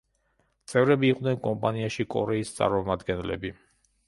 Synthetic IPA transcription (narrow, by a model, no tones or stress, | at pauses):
t̪sʼɛvɾɛbiːqʼd̪nɛnkʼɔmpʼaniaʃikʼɔɾɛist̪sʼa̰ɾmɔmad̪ɡɛnlɛ̰bi